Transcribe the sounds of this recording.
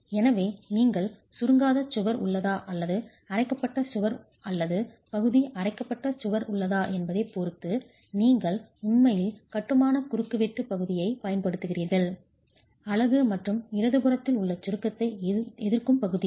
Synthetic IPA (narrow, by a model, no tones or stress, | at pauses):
ɛnɐʋeːniːŋɡɐɭ | sʊɾɯŋɡaːðɐt͡ʃːʊɣɐɾʊ̰ɭːɐðaːʔɐlːɐðɯ | ɐrɐɪkːɐpːɐʈːɐsʊɣɐɾ | ɐlːɐðɯ | pɐɣɯðiʔɐrɐɪkːɐpːɐʈːɐsʊɣɐɾʊɭːɐðaːʔɛnbɐðeːpɔɾɯt̪ːɯ | niːŋɡɐɭʊnmɐjɪlkɐʈːɯmaːnɐkʊɾɯkːɯʋeʈːɯpɐɣɯðɪjɐɪpɐjɐnpɐɽɯt̪ːɯɣɪriːɾɣɐɭ | ɐlɐɣɯmɐʈrɯmɪɾɐðɯɣɯrɐt̪ːɪlʊɭːɐt͡ʃːʊɾɯkːɐt̪ːɐɪɛðɪɾkɯmpɐɣɯði